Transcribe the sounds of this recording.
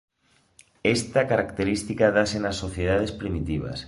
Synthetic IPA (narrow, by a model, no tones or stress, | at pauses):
est̪akaɾakt̪eɾist̪ikaðasenasːoθjeð̞að̞espɾimit̪iβ̞a̰s